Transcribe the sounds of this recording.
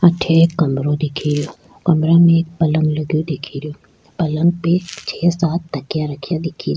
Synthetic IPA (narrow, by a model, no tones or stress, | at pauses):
ɐʈʰeːkɐmɾõd̪ɪkʰiɾɪjoː | kɐmɾãmẽk̚pɐlə̃ŋɡləɡjõd̪ekʰiɾɪjoː | pɐlə̃ŋɡ̚pet͡ʃʰeːsaːt̪ːɐkjaɾɐkʰːijad̪ɪkʰiɾ